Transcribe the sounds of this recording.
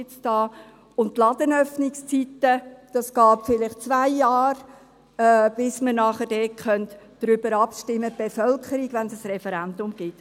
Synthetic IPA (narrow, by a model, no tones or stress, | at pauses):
ɪt͡sd̥ɑː | ʊnttːlɑd̪ənœfnɪkst͡sit̪əd̥ɑsɡ̥ɑːpfɪlɪχt͡svaɪjɑːɾː | b̥ɪsmənɑχəd̥ɛːt̚χœntd̥ɾʏbəɾɑpʃtɪmːəb̥efœlkʰəɾiɡ̥vʋɛnsəsrɛfɛɾɛndʊmɡ̥ɪt